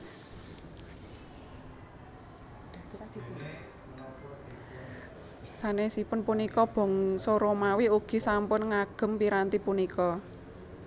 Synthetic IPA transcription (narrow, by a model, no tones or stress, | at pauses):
d̪̥i | sanesipʊnpunikɔb̥ɔ̤ŋsɔɾomawiuɡ̥i̤sampʊnŋaɡ̥ə̤mpiɾant̪ipunikɔ